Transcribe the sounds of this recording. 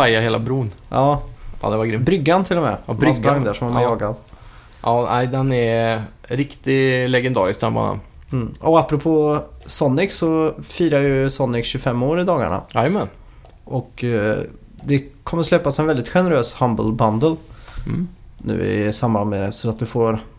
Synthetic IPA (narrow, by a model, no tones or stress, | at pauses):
ajaheːla̰bɾuːnʔɑːɑ̰ːd̪ɛvaɡɾɪmbɾʏɡːant̪ʰɪlɔmɛ̰bɾʏɡsɾaŋd̪æʂɔmanajɑːɡad̪ | ʔɑːnæɪd̪ɛnɛɾɾɪkt̪ɪlɛɡɛnd̪ɑ̰ːɾɪskt̪ɛ̰mba̰na̰nm̩ːʔɔapːɾʊpʰoːsɔnːɪksɔfiːɾajɵsɔnːɪkɕʉfɛmːoːɾɪd̪ɑːɡa̰ɳa̰ajəmɛn | ʔɔk | d̪ɛkʰɔmːəɾʂslɛpːasɛnvɛld̪ɪt̪ɧɛnəɾøːshambəlband̪əl | nʉ̟̰ːɪ̰sambanmɛsɾat̪d̪ɛfoːɾ